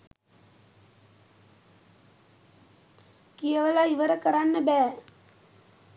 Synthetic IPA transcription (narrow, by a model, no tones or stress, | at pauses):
kijəʋəlaiʋəɾəkəɾanːəbæː